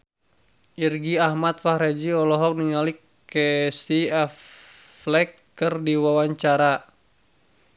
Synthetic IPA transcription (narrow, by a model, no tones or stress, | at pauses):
ʔirɡiahmat̪̚fahɾɛd͡ʒiɔlɔɦɔk̚niŋalikː | ɛsiɛf | flɛk̚ | kɨrdiwawaɲt͡ʃaɾa